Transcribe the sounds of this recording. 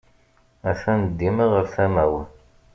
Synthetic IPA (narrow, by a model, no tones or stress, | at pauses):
æθænəd̪ːiməʁəɾθæmæwən